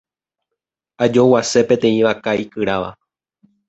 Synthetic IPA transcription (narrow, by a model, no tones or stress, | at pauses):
ad͡ʒo̞wase̞pẽ̞t̪ẽ̞ĩʋakaikɨɾaʋa̰